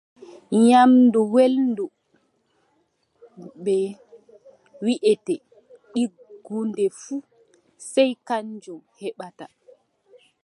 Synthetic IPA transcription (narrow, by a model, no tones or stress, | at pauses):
ɲamnduwelndu | bɛ | wiʔɛtɛ | ɗiɡundɛfu | sɛjkaɲd͡ʒɔhɛɓata